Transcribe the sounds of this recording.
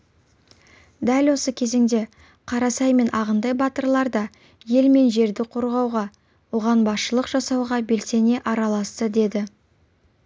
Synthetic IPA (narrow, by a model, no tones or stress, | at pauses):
d̪ælwo̞səkʲʰe̞ze̞ŋd̪e̞ | qʰɑɾɑsɑjme̞nʔɑʁənd̪ɑjbɑt̪əɾlˠɑɾd̪ɑ | je̞lme̞nʒe̞ɾd̪ɪqʰo̞ɾʁɑwʁɑ | wo̞ʁɑnbɑsʃəlˠəqʒ̥ɑsɑwʁɑbe̞lse̞ne̞ʔɑɾɑlˠɑst̪əd̪e̞d̪ɪ